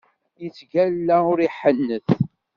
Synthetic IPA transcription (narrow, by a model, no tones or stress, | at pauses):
jət͡sːɡælːæʊɾiħənːəθ